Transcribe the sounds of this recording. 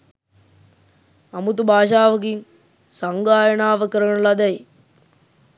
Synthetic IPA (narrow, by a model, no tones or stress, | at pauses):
ɐmut̪ubaːʃaːʋɐk̬iŋ | sɐŋɡaːjɐɳaːʋɐkɐɾɐɳɐlɐd̪ɐj